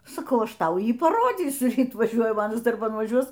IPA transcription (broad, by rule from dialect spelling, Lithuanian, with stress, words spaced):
sɐˈkɐʊ ˈɐʃ ˈtɐʊ ˈjiː pɐˈroːd͡zʲiːsʲʊ ˈrʲiːt ʋɐˈʒʲuɔjɛ ˈmɑːnɐs dɐrˈbɐn ʋɐˈʒʲuɔs